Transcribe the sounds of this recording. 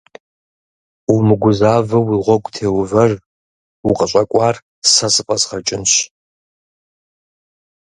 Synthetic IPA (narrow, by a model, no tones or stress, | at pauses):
umɨɡʷʊzaːvɐwiːʁʷɔkʷʼtʰeːwvɐr | uqʼəɕʷʼɐkʷʼɑːr | sɐsɨpʼɐsχɐt͡ʃʼɪnɕ